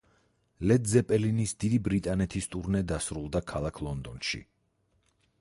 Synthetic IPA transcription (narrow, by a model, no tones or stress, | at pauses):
lɛd̪zɛpʼɛlinisd̪id̪ibɾit̪ʼanɛt̪ʰist̪ʼuɾnɛd̪asɾulˠd̪akʰalˠakʰlˠɔnd̪ɔnʃḭ